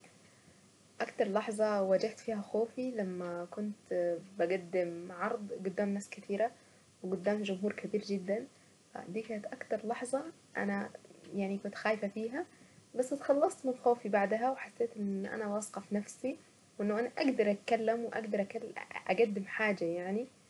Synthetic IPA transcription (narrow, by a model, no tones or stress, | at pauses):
ʔakt̪ɑɾˤlɑħzˤɑwad͡ʒaht̪fiːhaxoːfilamːakʊnt̪baɡad̪ːɪmʕɑɾˤd̪ˤɡʊd̪ːaːmnaːskɪt̪iːɾa | wɪɡʊd̪ːaːmd͡ʒʊmɦuːɾkabiːɾd͡ʒɪd̪ːan | fa̰d̪iːkaːnɪt̪ʔakt̪ɑɾˤlɑħzˤɑ | ʔa̰najaʕnikʊnt̪xaːjfafiːɦabasːɪt̪xɑlːɑsˤt̪mɪnxoːfibaʕd̪ɦawɪħasːeːt̪ʔɪnʔa̰nawɑsqɑfnafsi | wʔɪnːaʔanaʔaɡd̪ɑɾˤʔat̪̚kalːɪmwɪʔa̰ɡd̪ɑɾˤʔakalʔa̰ɡad̪ːɪmħaːd͡ʒajaʕni